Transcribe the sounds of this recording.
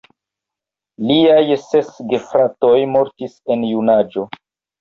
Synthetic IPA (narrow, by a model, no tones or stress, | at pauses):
liajse̞sɡefɾato̞jmo̞ɾtise̞njunad͡ʒo̞